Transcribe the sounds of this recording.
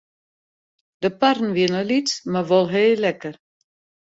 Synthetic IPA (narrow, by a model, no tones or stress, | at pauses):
d̥əparn̩ʋiənəlitmaʋɔlˠɦeːlɛkər